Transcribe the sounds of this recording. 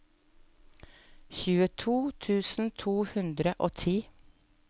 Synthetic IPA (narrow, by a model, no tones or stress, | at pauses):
çʉːət̪ʰuːt̪ʰʉːsn̩t̪ʰuːhʉnd̪ɾəʔoːt̪ʰiː